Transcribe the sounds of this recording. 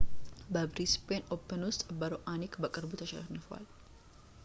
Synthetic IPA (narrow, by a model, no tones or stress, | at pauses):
bɐbɾispeːnɔpːɛnʊst̪ʼbɐɾɔʔaːnikbɐkʼɪɾbut̪ɐʃɐ̰nːɐfʊɐ̰l